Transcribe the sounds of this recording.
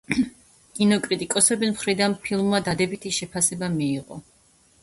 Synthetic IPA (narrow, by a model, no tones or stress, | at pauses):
kʼinɔkʼɾit̪ʼikʼɔsɛbismχɾid̪anpʰilˠmːad̪ad̪ɛbit̪ʰiʃɛpʰasɛbamiːʁɔ̰